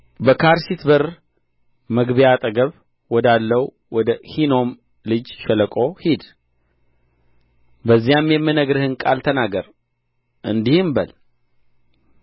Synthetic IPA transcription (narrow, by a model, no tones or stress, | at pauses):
bəkʰaɾsit̪bəɾ | məɡbəjat̪ʼəɡəβ | wɔd̪alːəw | wɔd̪əhino̞m | lɨd͡ʒʃɛləkʼo̞hid̪ | bəzːijamjɛmːɨnəɡɾɨhɨnkʼa̰lt̪ʰənaɡəɾ | ʔɨnd̪ihɨmbəl